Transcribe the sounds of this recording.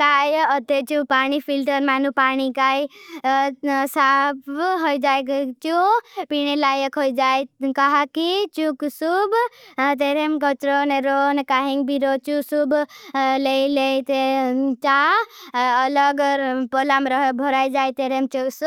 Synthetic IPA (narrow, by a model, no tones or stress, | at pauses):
t̪ajʌt̪et͡ʃũpanipʰilʈəɾmanupanikaj | sapɦojd͡ʒajkt͡ʃũpinelajəkʰojd͡ʒajkaɦakit͡ʃuksubt̪eɾemkət͡ʃɾoneɾonkaɦiŋɡbiɾot͡ʃusublejlejt̪et͡ʃaː | lʌɡpolamɾʌɦebʱoɾajd͡ʒajt̪eɾemt͡ʃuksu